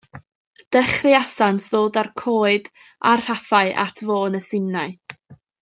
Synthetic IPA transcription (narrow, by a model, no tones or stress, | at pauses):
d̥ɛχrɪasansðoːdarkʰoːɨd | arr̥hafaɨʔa̰tʰvoːnəsɪnːaɨ